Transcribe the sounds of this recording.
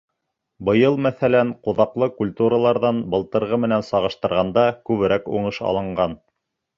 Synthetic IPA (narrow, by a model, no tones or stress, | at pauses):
bɤ̆jɤlˠmæθælæɴqŏðɑqlˠɤkulʲt̪uɾəlˠɑɾðɑnbɤ̆lˠt̪ɤ̆ɾʁɤmɘ̆nænsɑʁɤ̆ʃt̪ɤ̆ɾʁɑnd̪ɑkʉβɘ̆ɾækṵɴɤʃɑ̰lˠɤ̆ɴɢɑn